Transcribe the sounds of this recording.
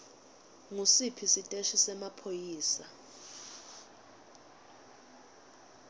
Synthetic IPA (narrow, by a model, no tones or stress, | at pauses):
ŋusipʰisitʼeʃisɛmapʰojiːsa